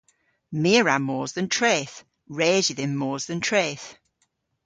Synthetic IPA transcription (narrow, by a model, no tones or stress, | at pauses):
miəɹamɔːzðə̃ntʰɹ̥ɛːθ | ɹɛːzɪðɪnːɔːzðə̃ntʰɹ̥eːθ